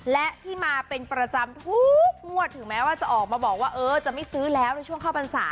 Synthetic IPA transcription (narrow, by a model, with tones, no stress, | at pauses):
lɛ˦˥ʔtt̪ʰiː˥˩maː˧pe˧npɾa˧t͡ɕa˧mt̪ʰu˦˥k̚mu˧˩ət̪ʰːɯ˨˩˦ŋmɛː˦˥waː˥˩t͡ɕa˨˩ʔɔː˨˩k̚maː˧bɔː˨˩k̚waː˥˩ʔɤː˧t͡ɕa˨˩ʔma˥˩jsɯː˦˥lɛː˦˥wna˧jt͡ɕʰu˥˩əŋkʰaː˥˩wpa˧nsa̰ː˩˦